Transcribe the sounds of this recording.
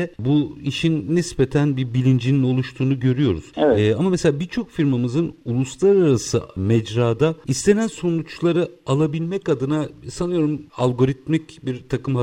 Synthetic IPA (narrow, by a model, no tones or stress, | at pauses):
ɛbuiʃinːisbet̪ʰænbibilʲind͡ʒinino̞lˠuʃt̪ʰuːnuɟø̞ɾyjo̞ɾuz̥amamɛseaːbiɾt͡ʃʰo̞kfiɾmamɯzɯnulˠuslˠaɾaɾasɯ̰mɛd͡ʒɾaːd̪aist̪ʰe̞nænso̞nut͡ʃlˠaɾɯalˠabilʲmɛcad̪ɯnasanɯjo̞ɾumalʲˠɡo̞ɾit̪̚micbiɾt̪ʰakɯma